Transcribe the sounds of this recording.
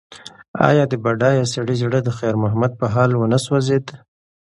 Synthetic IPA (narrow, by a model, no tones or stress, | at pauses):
ɑ̰jɑd̪əbaɖɑjasaɽizɽəd̪əxeɾmʊɦamad̪̚pəɦɑlwənaswazed̪